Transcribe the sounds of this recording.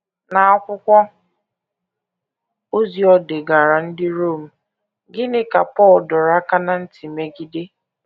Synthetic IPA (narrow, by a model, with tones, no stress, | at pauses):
na˨a˦kʷʊ˦kʷɔ˦ | o˦zi˨ɔ˦de˨ɡa˨ɾa˨n̩˦dɪ˦ɾo˦˨m̩˨ | ɡɪ˦nɪ˦ka˨pɔ˦˨ldɔ˨ɾa˦ka˦na˨n̩˦ti˨me˦ɡi˦de˦